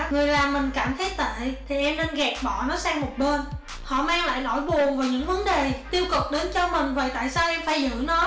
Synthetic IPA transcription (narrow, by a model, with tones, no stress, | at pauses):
ŋɨ˨˩əjlaː˨˩mːï˨˩ŋ̟kaː˧˩mt̪ʰe˨˦˥j̚t̪a̰ː˧˨t̪ʰi˨˩ʔɛ˧mne˧nɣɛ˨˩p̚ɓɔ̰˧˨nɔ˨˦saː˧ŋmo˨˩t̚ɓe˧n | hɔ̰˧˨maː˧ŋla̰ː˧˨jno˧˩jɓu˨˩əŋvaː˨˩jɲɨ̰˧˥ŋvə˨˦nɗe˨˩t̪i˧əwkʊ˨˩k͡p̚ɗe˨˦nt͡ɕɔ˧mï˨˩ŋ̟vaː˨˩jt̪a̰ː˧˨jsaː˧wʔɛ˧mfaː˧˩˦jzɨ̰˧˥nɔ˨˦